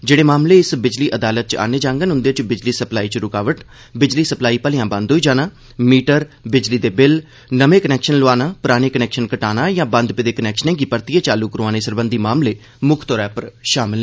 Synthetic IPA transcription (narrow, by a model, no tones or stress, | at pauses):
d͡ʒeːɽeːmaːmleːɪsbɪd͡ʒliːʔəd̪aːlət̪̚t͡ʃa̰ːneːd͡ʒãːŋɡənɦʊnd̪eːt͡ʃbɪd͡ʒliːsəplaːiːt͡ʃɾʊkaːʋəʈ | bɪd͡ʒliːsəplaːiːpəlɪjãːbə̃nd̪ɦoːiːd͡ʒaːnaː | miːʈəɾbɪd͡ʒliːd̪eːbɪl | nəʋẽːkənɛːkʃənlʊaːnaːpʊɾaːñeːkənɛːkʃənkəʈaːnaːjãːbə̃nd̪ped̪eːkənɛːkʃənɛ̃ːɡiːpəɾt̪ieːt͡ʃaːluːkəɾõaːneːsəɾbənd̪iːmaːmleː | mʊkʰt̪ɔːɾɛːpəɾʃaːmɪlː